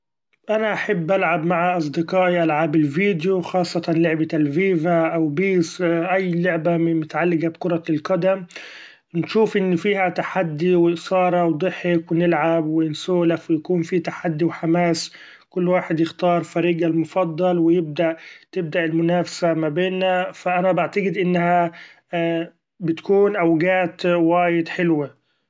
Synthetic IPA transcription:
ʔanaʔaħabːʔalʕabmaʕaʔɑs̬ˤd̪ɪqɑːʔiʔalʕaːbɪlviːd̪juxɑːsˤːɑt̪ɑnlʊʕbat̪alviːvaʔawbiːsʔajːlʊʕbamʊt̪aʕalːɪɡabkʊɾˤɑlqɑd̪am | nʃuːfʔɪnːfiːhæt̪aħad̪ːiwɪsˤɑːɾˤɑwd̪ˤɨħːɪkwɪnɪlʕabwɪnsoːlafwɪjakuːnfiːt̪aħad̪ːiwħamaːs | kʊlːwaːħed̪jɪxt̪ɑːɾˤfæɾiːɡalmʊfɑd̪ˤːɑlwɪjɪb̚d̪aʔt̪ɪb̚d̪aʔɪlmʊnaːfḁsamabeːnːafaʔænæbaʕt̪aɡɪd̪ʔɪnːhæ | bɪt̪kuːnʔawɡaːt̪wæːjɪd̪ħɪlwa

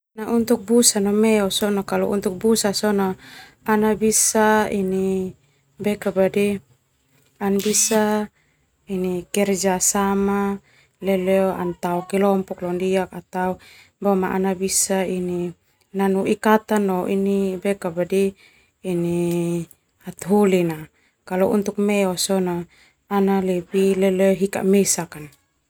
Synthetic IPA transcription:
naʔunt̪uk̚busanɔmɛɔsɔnokalɔ̰ʔṵnt̪uk̚busasɔno | anabisaini | bɛkabadi | anbisa | inikɛrd͡ʒasama | lɛlɛoa̰nt̪aɔkɛlɔmpɔklɔndiak̚at̪au | bamaʔa̰nabisaini | nanuʔikat̪anːɔʔinibɛkabadiː | ni | at̪ɦulina | kalɔʔṵnt̪uk̚mɛɔsɔnaː | nalɛbilɛlɛɦika̰ʔmesakan

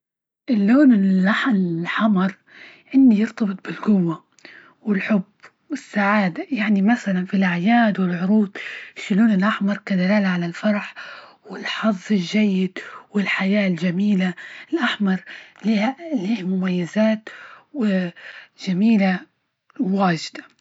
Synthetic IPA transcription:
ʔɪlːoːlɪnɪlʔaħlħɑmɑɾˤ | ʕɪndijɪɾt̪ɑbɨt̪̚ˤbɪlɡʊwːa | wɪlħʊb | wɪsːaʕaːd̪ajaʕnimasalanfilʔaʕjaːd̪wɪlʕʊɾuːd̪ˤʃːʊluːnɪlʔaħmɑɾˤkad̪alaːlaʕalalfɑɾˤɑħ | wɪlħɑðˤːɪlʒajːɪd̪wɪlħajaːlʒamiːlaɪlʔaħmɑɾˤliliːhmʊmajːazaːt̪wɪʒ̥amiːla | wwaːʒɪd̪̥ḁ

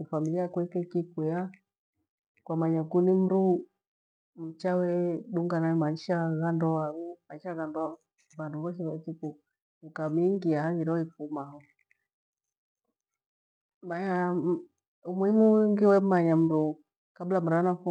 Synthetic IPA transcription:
ufamiliakwɛkɛkikwɛa | kwamaɲakunim̩ɾu | m̩t͡ʃawɛɗuŋɡanaɛmaiʃaɣandɔwaɣumaʃaɣandɔ | βanduβɔʃiβat͡ʃiku | ukamiŋɡiahaɣiɾɔifumaɦɔ | maɲa | umwimuŋɡiwɛmaɲam̩ɾu | kablam̩ɾanafu

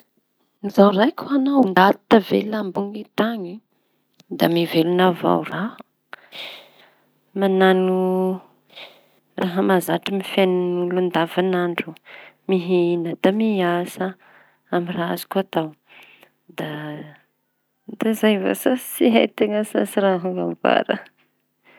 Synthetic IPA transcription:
nizawrajkʰuanawnd̪at̪i̥t̪əvḛlambuŋit̪aɲi | d̪amivelunava̰wra | mananu | raɦəmazaʈ͡ʂimifennulund̪avanaɳɖ͡ʐumiɦinəd̪̥amiasə | amirazi̥kuat̪aw | d̪a | d̪azajva̰sasiɦa̰jt̪eŋəsasiɾaɦuva̰mva̰ɾə

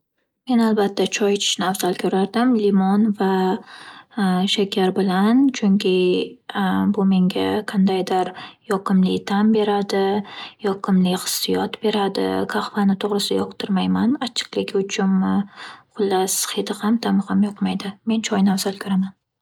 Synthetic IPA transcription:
me̞nalbat̪ʰːat͡ʃʰɒjt͡ʃʰɪ̥ʃnavzalkʲʰɵɾaɾd̪ɪmlimɒnva | ʃakʲʰaɾbɪlant͡ʃʰʊŋkʲʰɪ | bʊme̞ŋɡʲaqʰɑnd̪ajd̪ɪɾjɒqɨmlɪt̪ʰambe̞ɾad̪ɪjɒqʰɨmlɪχɨ̥sːɪjɒt̪be̞ɾad̪ɪ̰kʰaχvanɪt̪ʰoʁɾɨsɪd̪ajɒqt̪ʰɪɾmajmanat͡ʃʰɨ̥qlɪkʲʊt͡ʃʰʊm | qʊlːasχed̪ɪamt̪ʰamhamjɒqmajd̪ɪme̞nt͡ʃʰɒjnavzalkʲʰɵɾaman

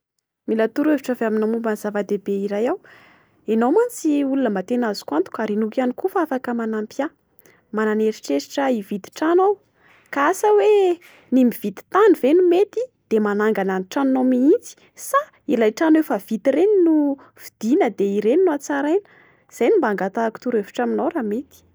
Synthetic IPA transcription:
milat̪uɾeviʈ͡ʂəveaminamumbənz̥avəd̪ebeiɾajaw | enowmant͡siulunəmat̪enazi̥kant̪u̥kʲaɾinukanikufafakəmanampja | mananeɾiʈ͡ʂesi̥ʈ͡ʂəivid̪i̥ʈ͡ʂanow | kaasəwe | nimivit̪i̥t̪anivenumet̪id̪̥emanaŋɡananiʈ͡ʂannomiint͡si̥ | sa | ilajʈ͡ʂanwefav̥it̪ireninu | v̥id̪̥inəd̪eiɾeninuat͡saɾajnə̥ | z̥ajnimbaŋɡat̪aku̥t̪uɾevi̥ʈ͡ʂaminawɾamet̪i̥

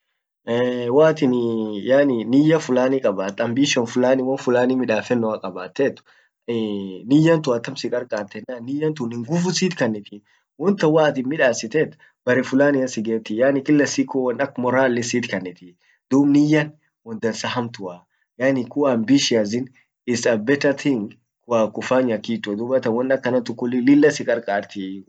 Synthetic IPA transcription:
ɛːwaːt̪ɪnjaːnɪnɪjɐfʊlaːnikʼɐbaːt̪ːɐmbiːʃɐnfʊlaːnɪwɐnfʊlaːnɪmɪᶑaːfɛnːɔakʼɐbaːt̪ːeːt̪ːʊ̥ | nɪjɐnt̪ʊɐt̪ːɐmsɪkʼɐɾkʼaːt̪ːɛnːaːnːɪjːɐnt̪ʊnɪŋɡʊfʊsiːt̪kɐnːɪt̪i | wɔnt̪ɐwaːt̪ɪnmɪᶑaːsɪt̪eːt̪ː | bɐɾɛfʊlaːnɪjɐsɪɡeːt̪ːɪjaːnɪkʼɪlːɐsikːowɐnɐkːmɔɾaːlːɪsiːt̪kɐnːɪt̪i | d̪uːbnɪjɐn | wɔnd̪ɐnsɐɦɐmt̪ʊa | jaːnɪkʊanbiʃɪazɪn | ɪsɐbɛt̪ɐt̪ʰɪŋɡ | kʊakʊfaːɲɐkːiːt͡ʃːɔd̪ʊbɐt̪ɐnwɔnɐkːɐnɐt̪ʊkːʊlːɪlɪlːɐsɪkʼɐɾkʼaːɾt̪i

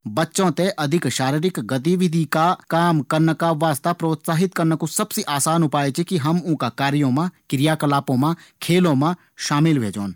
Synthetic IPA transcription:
bɐtːʃõt̪eʔɐd̪ʱɪkʃaːɾiːɾɪkɡɐt̪̬iʋɪd̪ʱikakaːmkɐɾnəkaʋaːst̪apɾoːt̪saːɦɪt̪kɐɾnəkusɐbseʔaːsaːnɦʊpaːet͡ʃʰikiɦɐmʊ̃ːkakaːɾijõmãkɪɾɪjaːkɐlaːpõmãkʰeːlõːmã | ʃaːmɪlbʱḛːd͡ʒoːn

